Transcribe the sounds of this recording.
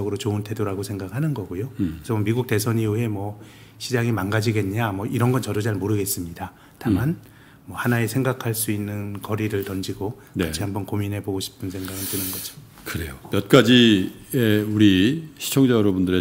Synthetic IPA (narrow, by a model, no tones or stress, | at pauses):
ʌɡɯɾot͡ɕoɯntʰe̞doɾaɡosʰe̞ŋɡakʰanɯnɡʌɡojoesʰʌmʌmiɡuk̚te̞sʰʌɲiuɦe̞mwʌ | ɕʰid͡ʑaŋimanɡad͡ʑiɡe̞nɲamʌʔiɾʌnɡʌnt͡ɕʌdut͡ɕaɭmoɾɯɡe̞s͈ɯmɲida | taman | mʌhanae̞sʰe̞ŋɡakʰaɭs͈uinːɯnkʌɾiɾɯɭtʌnd͡ʑiɡokɯt͡ɕʰiɦambʌnkominɦe̞boɡoɕʰi̥p͈ʰɯnsʰe̞ŋɡaɡɯntɯnɯnɡʌd͡ʑo̥ | kɯɾe̞jomjʌt̚k͈ad͡ʑi | euɾiɕʰi̥t͡ɕʰʌŋd͡ʑaɾobundɯɾe